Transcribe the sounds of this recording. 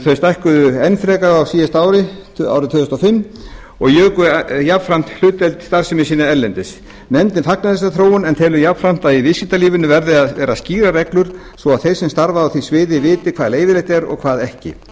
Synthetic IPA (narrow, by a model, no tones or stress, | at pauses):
θœst̪ajhkʏðʏɛnfɾɛːkaawsiːjɛst̪aːwɾɪ | a̰wɾɪt̪ʰʏðːʏst̪awfɪmː | ɔɣjœːkʏjapfɾam̥t̪l̥ʏːt̪ɛlt̪st̪aɾ̥sɪmɪsiːnaɛlːɛnt̪ɪs | nɛnt̪ɪnfaknaθɛsːaθɾoːwʏnɛnt̪ʰɛːlʏjapfɾam̥t̪aðivɪsɪt̪aliːvʏnʏvɛɾðɪaðvɛːɾasciːɾarɛklʏɾ̥ | svɔaðθejɾsɛmst̪aɾvaawθisvɪːðɪvɪːt̪ɪkʰvaːðleːjvɪlɛht̪ɛɾɔ̰ɣkʰv̥aːðɛhcɪ̰